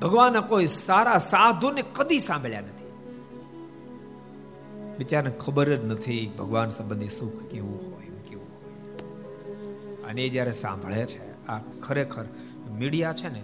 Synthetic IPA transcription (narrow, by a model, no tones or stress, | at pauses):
bʱəɡʋanːakoisaɾasad̪ʱonekəd̪isãmbʱəɭjanət̪ʰi̥ | ʋɪt͡ʃaɾnekʰəbəɾəd͡ʒnət̪ʰibʱəɡʋansə̃mbə̃nd̪ʱisukʰkeʋũɦojmkeʋũɦoj | ə̰need͡ʒjaɾɛsã̰mbʱəɭet͡ʃʰe | akʰəɾekʰəɾ | miɽijat͡ʃʰene